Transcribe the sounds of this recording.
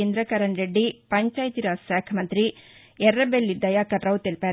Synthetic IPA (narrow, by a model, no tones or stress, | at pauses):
end̪ɾɐkɐɾɐɳɾeɖːipɐɲt͡ʃaːjt̪iɾasaːkʰɐmɐnt̪ɾi | ɛɾːɐbelːid̪ːɐjakɐʈɾɐwt̪elpɛ